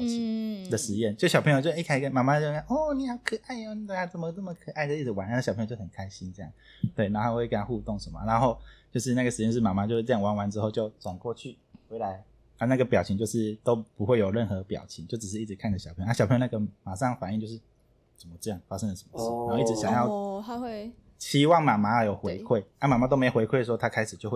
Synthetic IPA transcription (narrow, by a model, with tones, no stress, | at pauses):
i˧˦ŋd̪ə˨ʂɻ̩˧˦jɛ˥˨nt͡ɕjɕɑ˨˩pʰə˧˥jo˧t͡ɕo˥˧kʰa˥ɪ˧kə˥˩nma˨˩ma˥˧˥ʔɔ˥˩ni˨˩jɑ˥˩ʊkʰɤ˨˩ʔa˥˩ɪɔ˧ni˨˩t̪we˥˩a˥˩t͡sə˨˩mə˧t͡sə˥˩mə˨kʰɤ˨˩ʔa˥˩ɪd̪ə˨i˥˩d͡z̩˩wa˧˦na˥˧˩ɕpʰə˧˥jt͡ɕo˥˩hə˨˩kʰa˥ɪɕi˦˥nʈ͡ʂjɑ̰˥˨˩ | t̪we˥˩ɪna˧˥o˥˧xwe˥˧ɪkə˧nʰa˥xu˥˧t̪ɔ˥˩ŋʂə˧˦mə̰˨˩na˧˦nxo˥˧ʊt͡ɕjo˥˧ʊʂ̬ɻ̩˥˧na˥˩ɡə˩ʂɻ̩˧˦ɛ˥˧˥ʂ̩˥˩ma˨˩ma˧˥t͡ɕjo˥˧ʊʂ̩˥˧ʈ͡ʂɤ˥˧jɑ˥˩ŋwa˧˥nwa˧˦nʈ͡ʂɻ̩˥xo˥˧ʊt͡ɕjo˥˩ʊt͡swa˨˩nkwɔ˥˧t͡ɕʰy˥˩ | xwe˧˥ɪla˧˦˥ɪ | a˥˧na˥˩ɡə˩pjɑ˨˩ʊt͡ɕʰi˦ŋt͡ɕjo˧ʂɻ̩˥˩t̪o˥ʊpu˧˦xwe˥ɪjo˨˩ʊɻə˥˩nxɤ˧˦pjɑ̰˨˩ʊt͡ɕʰi˧˦ŋt͡ɕjo˥˩ʊʈ͡ʂ̩˨˩ʂ̬̩˥˧i˥˩ʈ͡ʂɻ̩˧˦kʰa˥˩ndə˩ɕpʰə˧˥jn˥ɕpʰə˧˥jna˥˨ɡə˨ma˨˩ʂɑ˥˨ŋfa˨˩ni˥˧˨t͡ɕjʊʂ̩˥˩ | t͡sə˨˩mə˨˦ʈ͡ʂɤ˥˧jɑ˥˩ŋfa˥ʂə˥ŋd̪ə˨ʂə̥˨˦mə˨˧˦ʂɻ̩˥˩na˨˦o˥˧ʊi˧˥˩ɕja˨ŋjɑ˥˩ʊ | t͡ɕʰi˧˥wɑ˥˨ŋma˨˩ma˧˥˨jo˨˩ʊxwe˧˦ɪkʰwe˥˩ɪa˥˩ma˨˩ma˧t̪o˥ʊme˥o˨we˧˥ɪkʰwe˥˩ɪʂ̬wɔ˥˧t̪ʰa˦˥kʰa˥ɪʂɻ̩˨˩t͡ɕjo˥˧ʊw